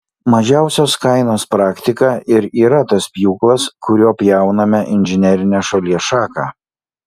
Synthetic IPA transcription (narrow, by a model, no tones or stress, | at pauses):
mɐʒʲæˑʊsʲoːskɐɪnoːspɾɑːkʲt̪ʲɪkɑːʔɪɾiːɾɐt̪ɐspʲjuːklˠɐskʊɾʲuːpʲjɛˑʊnɐmʲɛʔɪnʲʒʲɪnʲɛɾʲɪnʲæːʃɐlʲiɛʃɑːkɑː